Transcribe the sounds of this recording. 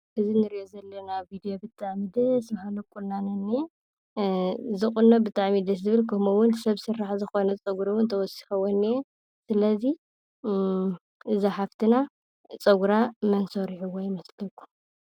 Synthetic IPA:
ʔɨzinɨɾiʔozɐlːɐnavid̪ijo̞bɨt̪ʼːaʕmid̪ɐsmɐhalɐkʼulːanɐnːi | zɨχʼunːobɨt̪ʼːaʕmid̪ɐs̬zɨβɨlkʰɐmuwʊnsɐβsɨɾːaħzɨxo̞nɐt͡sʼɐɡuɾɐwʊnt̪ʰɐwɔsi̥xɐwonːij | sɨlɐzi | ʔɨzaħaft̪ʰɨna | t͡sʼɐɡuɾamɐnsoɾiħuwojɪmɐslɐkːu̥

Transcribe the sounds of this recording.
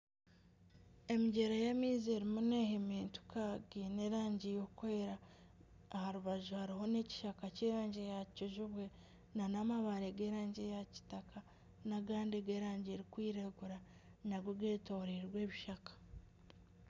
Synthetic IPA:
e̞miɟe̞ɾajemiːzieɾimunehemiːntu̥kaɡineɾaːɲɟijokukoeɾaː | haɾuβaʒuhaɾiho̞ne̞ci̥ʃakaceɾaːɲɟejacoʒuβwe̞ | nanamaβaɾeɡeɾaːɲɟejaci̥takʰa | naɡaːndeɡeːɾaːɲɟeɾikwiːɾeɡuɾa | naɡwoɡeːtoɾiɾwe̞ːβiʃakḁ

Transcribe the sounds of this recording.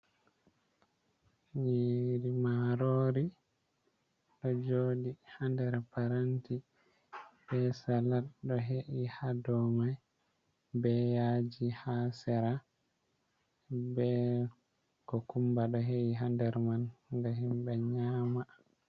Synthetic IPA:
jiɾimaɾoːɾi | ɗɔd͡ʒoːdihandɛɾpaɾanti | bɛsalaɗɔɦeʔihadɔmaj | bɛjad͡ʒihasɛɾa | bɛ | kɔkumbaɗɔɦeʔiɦandɛɾmanɡaɦimbɛɲama

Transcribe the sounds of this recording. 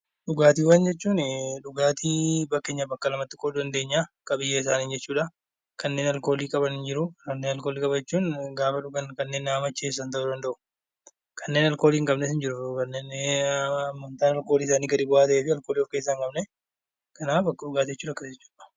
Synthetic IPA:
ᶑʊɡaːt̪iːwɐnd͡ʒɛt͡ʃːuːnᶑʊɡaːt̪ibɐkːe̞ːɲːɐbɐkːɐlɐmɐt̪ːɪkʼːoːd̪d̪ɐnd̪e̞ːɲːakɐbɪjːɐɪs̬aːniːnd͡ʒɛt͡ʃːuːᶑɐ | kʰɐnːe̞ːnɐlko̞ːliːkʼɐbɐnɪnd͡ʒɪɾʊkɐnːeːnɐlko̞ːliːkʼɐbɐd͡ʒɛt͡ʃːuːnɡaːfɐᶑʊɡɐnkɐnːe̞ːnːɐɐmɐt͡ʃːeːs̬ːɐnt̪ɐʔʊd̪ɐnd̪ɐʔʊ̥ | kʰɐnːe̞ːnɐlko̞ːliːŋkʼɐbnɛsɪnd͡ʒɪɾʊkɐnːeːn | mːɔnt̪aːnɐlko̞ːliːsaːniːɡɐᶑɪbʊaːt̪ɐʔeːfɪɐlkoːliːɔɾke̞ːs̬ːaŋkʼɐbnɛ | kɐnaːfbɐkːɐᶑʊɡaːt̪ijɛt͡ʃːuːᶑɐkːɐɛt͡ʃːuːᶑɐ̥

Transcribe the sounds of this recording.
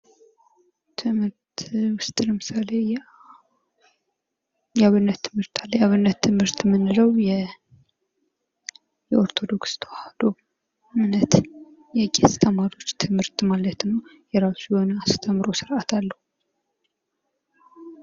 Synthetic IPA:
t̪ʰɨmhɨɾt̪wʊst̪ʼɨlɛmɨsale̞j | jaβɨnːət̪ʰːɨmhɨɾt̪ʰalːəjaβɨnːət̪ʰːɨmhɨɾt̪mɨnːɨləwjɛ | jɛo̞ɾt̪ʰo̞d̪o̞kst̪ʰahad̪o̞ | mnət̪ | jɛkʼest̪ʰəmaɾio̞t͡ʃːt̪ʰɨmhɨɾt̪malət̪nəw | jɛɾasujho̞nast̪ʰəmɾo̞sɨɾʔat̪ʰalːəhu

